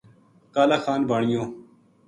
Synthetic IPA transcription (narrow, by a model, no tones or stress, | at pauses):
kaːlaːxaːnbaːɳijõː